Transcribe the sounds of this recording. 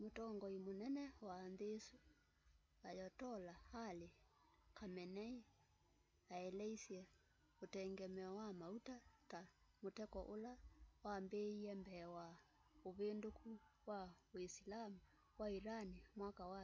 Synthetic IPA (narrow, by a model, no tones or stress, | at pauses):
motɔŋɡɔimonɛnɛwanðesu | ajɔtɔlahale | kamɛnɛi | aɛlɛisiɛ | otɛŋɡɛmɛɔwamautatamotɛkɔʔolawambeiɛmbɛwa | oβendokuwawisilamu | waiɾanimwakawa